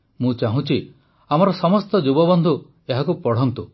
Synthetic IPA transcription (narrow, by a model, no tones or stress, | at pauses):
mũt͡ʃaɦũt͡ʃʰi | amɔɾɔsɔmɔst̪ɔd͡ʒubɔbɔnd̪ʱu | eɦakupɔɽ̤ɔnt̪u